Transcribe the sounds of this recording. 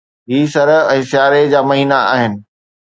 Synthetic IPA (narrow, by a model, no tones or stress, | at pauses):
ɦiːsɐɾɛ̃ːsjaːɾed͡ʑaːmɐɦiːnaa̰ːɦɪnɪ̆